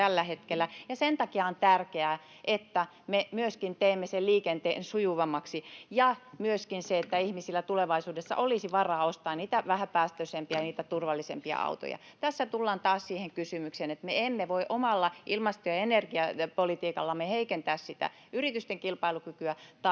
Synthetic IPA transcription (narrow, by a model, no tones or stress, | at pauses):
ælːæhet̪kelːˑæjɑsent̪ɑkiɑont̪ærkeæː | ʔet̪ːæ | memyøskint̪eimːeselliːkent̪ḛːnsujuʋɑmːɑksijɑmyøskinseet̪ːæihmisilːæt̪uleʋɑisuːdesːɑ̰ʔolisiʋɑrɑːost̪ɑːnniːt̪æʋæhæpæːst̪øsempiɑniːt̪æt̪urʋɑlːisḛmpiɑ̰ɑ̰ut̪o̰jɑ̰ | t̪æsːæt̪ulːɑːnt̪ɑːssiːheŋkysymykseːnet̪meemːeʋoiʔomɑlːɑʔilmɑst̪ojɑenerɡ̥iɑpolit̪iːkɑlːɑmeheikent̪æːssit̪æ̰ | yrit̪yst̪eŋkilpɑilukykyæt̪ɑ